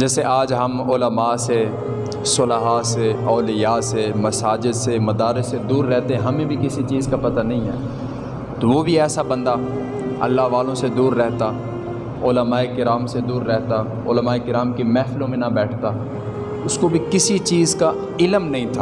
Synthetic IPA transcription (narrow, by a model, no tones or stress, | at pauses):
d͡ʒɛːseʔaːd͡ʒɦɐmʊləmaːse | sʊləɦaːseɔːlɪjaːsemɐsaːd͡ʒɪd̪semɐd̪aːɾɪssed̪uːɾːɛɦt̪eɦɛ̃ɦɐmẽbʱikɪsit͡ʃiːzkapɐt̪anɐɦĩɦɛ̰ː | t̪oʋobʱiɛːsabɐ̃nd̪a | ɐ̰lːaɦʋaːlõsed̪uːɾːɛɦt̪a | ʊːləmaːekɪɾaːmsed̪uːɾːɛɦt̪a | ʊ̰ləmaːekɪɾaːmkemɛːfɪlõmẽnɐbɛːʈʰt̪aː | ʊskobʱikɪsit͡ʃiːzka | ɪləmnɐɦĩt̪ʰaː